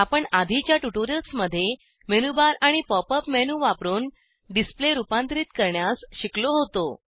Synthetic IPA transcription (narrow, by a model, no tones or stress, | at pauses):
apəɳad̪ʱit͡ɕjaʈuʈoɾiəlsməd̪ʱːje | menubaɾaɽ̃ipɔpəpmenuʋapɾuːn | ɖispleɾupãnt̪ɾiːt̪kəɾɳjasɕikloɦot̪o